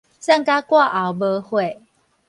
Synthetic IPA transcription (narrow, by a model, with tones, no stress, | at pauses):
sa˥˨ŋka˦kwa˥˨ʔa˨˦wbə˦hwe˥˨